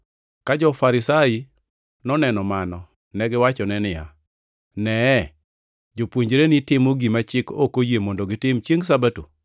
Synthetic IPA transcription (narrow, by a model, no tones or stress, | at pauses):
kad͡ʒɔfaɾɪsai | nɔnɛnɔmanɔ | nɛɡɪwat͡ʃɔnɛnɪja̰ | nɛ | d͡ʒopwoɲd͡ʒɾenɪtɪmoɡimat͡ʃɪkokojemondoɡɪtɪmt͡ʃjeŋsabato̰